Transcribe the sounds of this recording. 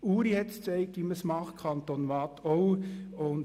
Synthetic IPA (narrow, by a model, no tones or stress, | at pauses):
uːɾihɛt̪st͡sɛɪkːiməsmɑχkʰɑnt̪onʋɑːt̪ɔwʊn